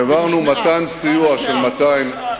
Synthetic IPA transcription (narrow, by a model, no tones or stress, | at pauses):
avaʁnumat̪ansijuaʃelmat̪ajim